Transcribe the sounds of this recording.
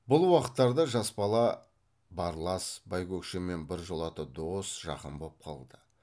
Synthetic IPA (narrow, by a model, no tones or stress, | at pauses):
bʊlˠwɑqə̥t̪ːɑɾd̪əʒɑsbɑlˠɑ | bɑɾlˠɑsbɑjkʲʰɵkʃeme̞nbɪɾʒolˠɑt̪əd̪o̞sʒ̥ɑ̰qəmbo̞lˠəp̚qʰɑlˠd̪ə